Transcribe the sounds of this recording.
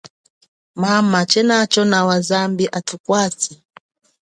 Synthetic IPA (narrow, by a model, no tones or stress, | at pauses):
mamat͡ʃɛnat͡ʃɔnawazambiʔatukwat͡si